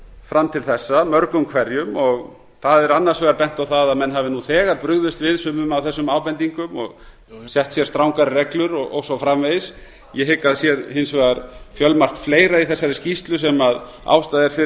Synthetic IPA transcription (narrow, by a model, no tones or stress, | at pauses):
fɾamt̪ʰɪlθɛsːamœɾkʏmkʰvɛɾjʏmɔɣ | θaðɛɾanːaɾ̥svɛːɣaɾpɛn̥t̪awθaðaðmɛnːɦavɪnuθɛːɣaɾpɾʏɣðʏst̪vɪðsʏːmʏmawθɛsːʏmaːwpɛnt̪iŋkʏmɔ̰ɣ | sjɛht̪sjɛɾst̪ɾawŋkaɾɪrɛklʏɾɔɔ̰wsɔfɾamvejs | jɛɦɪkːaðsjɛɾhɪnsvɛːɣaɾfjœlmar̥t̪fleːjɾaiθɛsːaɾɪscist̪lʏsɛmað | a̰wst̪aðɛɾfɪ